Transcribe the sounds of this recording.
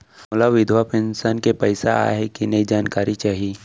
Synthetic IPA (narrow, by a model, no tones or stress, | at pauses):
mʊlaʋɪd̪ʱʋapʰɪ̃nsaːnkepɐɪsa̰a̰ɦekinɐid͡ʒaːnkaːɾit͡ʃaːɦiiː